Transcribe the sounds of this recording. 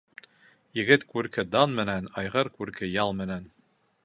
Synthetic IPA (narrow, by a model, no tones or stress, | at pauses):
jɘ̆ɡɘt̪kʉɾkɘd̪ɑnmɘ̆nænɑjʁɤɾkʉɾkɘjɑlˠmɘ̆næn